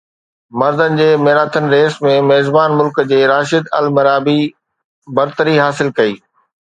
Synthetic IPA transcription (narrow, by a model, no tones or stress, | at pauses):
mɐɾzənɪ̆d͡ʑeːmeːɾaːt̪ʰənɪ̆ɾeːsmẽmeːzbaːnmʊlkd͡ʑeːɾaːʃɪd̪ɐ̰lmɐɾaːbi | bɐɾt̪əɾiɦaːsɪlkɐiː